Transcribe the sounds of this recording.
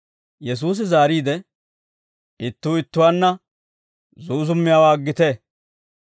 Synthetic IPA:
jɛs̬uːs̬ɪzaːɾiːd̪ɛ | ɪt̪ːuːɪt̪ːʊwaːnːɐ | zuːzʊmːɪjaːwaːɡːɪt̪e

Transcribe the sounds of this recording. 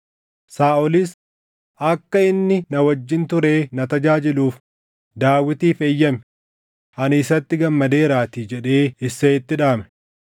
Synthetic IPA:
saːɔlɪs | ʔɐkːɐɪnːɪnɐwɐd͡ʒːɪnt̪ʊɾe̞ːnɐt̪ɐd͡ʒaːd͡ʒɪluːf | d̪aːwːɪt̪iːfeːjːɐmɛ̥ | ʔɐnɪsɐt̪ːɪɡɐmːɐd̪e̞ːɾaːt̪id͡ʒɛᶑe̞ːɪsːɐɪt̪ːɪᶑaːmɛ̥

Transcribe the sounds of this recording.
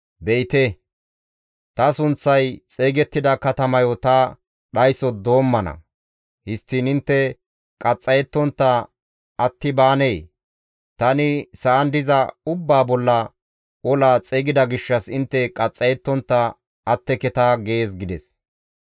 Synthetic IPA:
bɛjt̪ɛ | t̪ɐsʊnt͡sːɐjt͡sʼeːɡɛt̪ːɪd̪ɐkɐt̪ɐmɐjɔt̪ɐ | ɗɐjsɔd̪o̞ːmːɐnɐ̰ | hɪst̪ːiːnɪnt̪ːɛ | kʼɐt͡sʼːɐjɛt̪ːɔnt̪ːɐ | ɐt̪ːɪbaːneː | t̪ɐnɪsɐʔːnd̪ɪzɐʊbːaːbɔlːɐ | ɔlaːt͡sʼeːɡɪd̪ɐɡɪʃːɐsɪnt̪ːɛkʼɐt͡sʼːɐjɛt̪ːɔnt̪ːɐ | ɐt̪ːɛkɛt̪aːɡe̞ːsɡɪd̪ɛs

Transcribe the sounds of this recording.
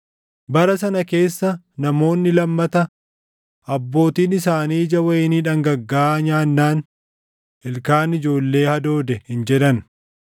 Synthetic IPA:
bɐɾɐs̬ɐnɐke̞ːsːɐ | nɐmo̞ːnːɪlɐmːɐt̪ɐ | ɐbːo̞ːt̪iːnɪs̬aːniːd͡ʒɐwɐjɪniːᶑɐŋɡɐɡːaːɲaːnːaːn | ɪlkaːnɪd͡ʒo̞ːlːe̞ːhɐd̪o̞ːd̪ɛhɪnd͡ʒɛᶑɐn

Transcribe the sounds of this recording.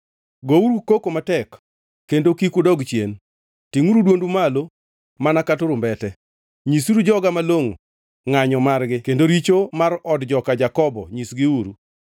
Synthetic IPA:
ɡouɾukokomatɛkː | endokikudɔɡt͡ʃjen | tiŋuɾudwondumalo | manakatʊɾʊmbɛtɛ | ɲisuɾud͡ʒɔɡamaloŋo | ŋaɲɔmarɡɪkendoɾit͡ʃomaɾɔdd͡ʒɔkad͡ʒakɔbɔ̰ɲisɡɪuɾu

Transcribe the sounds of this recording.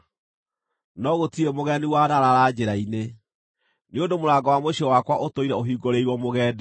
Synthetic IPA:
nɔɣotiɾemoɣɛniwanaɾaɾad͡ʑeɾaine | neondomoɾaːɡɔwamoɕiɔwakwaʔotoiɾɛoɦiːɡoɾeiɾwɔmoɣɛːde

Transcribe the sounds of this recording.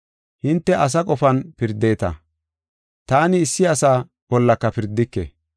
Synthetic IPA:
hɪnt̪ːɛʔɐs̬ɐkʼɔfɐnpɪɾd̪e̞ːt̪ɐ̰ | t̪aːnɪːsːɪɐsaː | b̥ɔlːɐkːɐpɪɾd̪ːɪkːɛ̰

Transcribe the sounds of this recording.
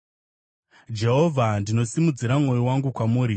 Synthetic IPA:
d͡ʒe̞ɦo̞vʱandino̞simud͡ziɾamŋo̞jiwaŋɡukwamuːɾi

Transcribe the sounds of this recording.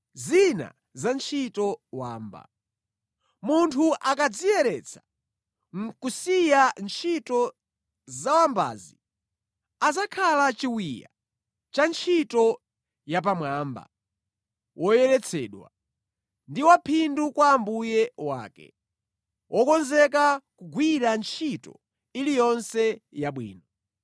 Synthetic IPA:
zina̰ | zant͡ʃʰitɔwaːmba̰ | muntʰuʔakad͡zijɛɾɛt͡sʰḁ | ŋ̩kusijant͡ʃʰitɔ | zawamba̰ːzi | azakʰalat͡ʃiwija̰ | t͡ʃant͡ʃʰitɔ | jap̬amwaːmba̰ | wʔɔjɛɾɛt͡sʰɛ̰ːɗwa̰ | ndiwapʰindukwaːmbujɛwa̰ːkɛ̰ | wʔɔkɔnzɛk̬akuɡwiɾant͡ʃʰitɔ̰ | ilijɔnsɛjaɓwḭːnɔ

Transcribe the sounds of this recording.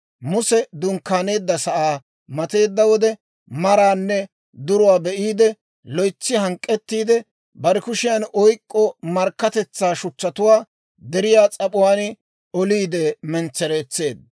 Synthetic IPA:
mʊsɛd̪ʊŋkːaːne̞ːd̪ːɐsɐʔaː | mɐt̪e̞ːd̪ːɐwɔd̪ɛ | mɐɾaːnːɛ | d̪ʊɾʊwaːbɛʔiːd̪ɛ | lɔjt͡sːɪɦɐŋkʼːɛt̪ːiːd̪ɛ | bɐɾɛkʊʃɪjɐnʔɔjkʼːɔmɐɾkːɐt̪ɛt͡sːaːʃʊt͡ʃːɐt̪ʊwaː | d̪ɛɾɪjaːt͡sʼɐpʼʊwaːn | ɔliːd̪ɛmɛnt͡sːɛɾeːt͡sːe̞ːd̪̚

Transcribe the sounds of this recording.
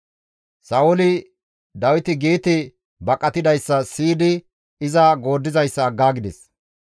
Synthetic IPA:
sɐʔʊlɪ | d̪ɐwɪt̪ɪɡiːt̪ɪ | bɐkʼːɐt̪ɪd̪ɐjsːɐsiːd̪ɪ | ɪzɐɡo̞ːd̪ːɪzɐjsːɐːɡːaːɡɪd̪ɛs

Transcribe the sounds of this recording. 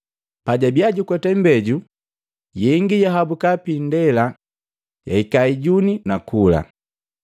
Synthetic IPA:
paɟabiaɟukwɛtɛmbɛɟu | jɛŋɡijaɦabukapindɛla | ja̰ikaiɟuninakula̰

